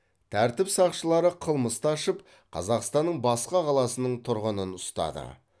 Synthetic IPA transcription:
t̪ʰæɾt̪ɪpsɑqʃəlˠɑɾəqʰəlˠməst̪ɑʃəp | qʰɑ̰zɑqst̪ɑnːəɴbɑsqɑqʰɑlˠɑsənəɴt̪ʰʊɾʁənənʊst̪ɑ̰d̪ə̰

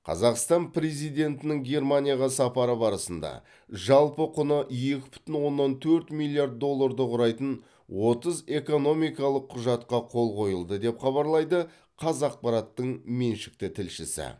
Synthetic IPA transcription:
qʰɑ̰zɑqst̪ɑnpʰɾe̞zijd̪e̞nt̪ɪnɪŋɡʲe̞rmanʲijaʁɑsɑpɑɾəbɑɾəsənd̪ɑ̰ | ʒɑlˠpəqʰʊnəʔje̞kʲɪ̥bʏ̥t̪ɪnwo̞nːɑnt̪ʰɵɾt̪milʲːˠijart̪̚d̪o̞lˠːaɾd̪əqʊɾɑjt̪ən | wʔo̞t̪əze̞ko̞no̞mijkɑlˠəqʰːʊʒɑt̪qɑqʰo̞lˠqo̞jəlˠd̪əd̪e̞pχɑβɑɾlˠɑjd̪ə | qʰɑzɑq̚pɑɾɑt̪ːəɴme̞nʃɪ̥k̚t̪ɪt̪ʰɪlʃɪsɪ̰

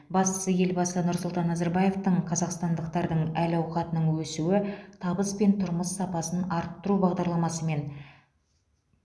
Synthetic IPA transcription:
bɑst̪ə̥səje̞lbɑsənʊɾsʊlˠt̪ɑnːɑzeɾbɑje̞ft̪əɴqʰɑzɑqst̪ɑnd̪əq̚t̪ɑɾd̪əɴælɑwqɑt̪ənəɴwɵsuwɪt̪ʰɑbəspe̞nt̪ʰʊɾməsːɑpɑsənɑɾt̪ːʊɾubɑʁd̪ɑɾlˠɑmɑsəme̞n

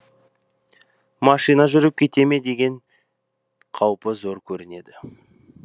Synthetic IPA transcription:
mɑʃijnaʒʏɾɪp̚kʲʰe̞t̪e̞me̞d̪e̞ɡʲe̞ɴ | qʰɑwpəzo̞ɾkʲʰɵɾɪne̞d̪ɪ

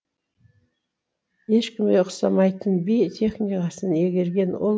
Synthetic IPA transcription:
e̞ʃkʲɪmɡʲeʊqsɑ̰mɑjt̪ənbijt̪ʲʰe̞χnijkɑsəne̞ɡʲe̞ɾɡʲe̞nwo̰

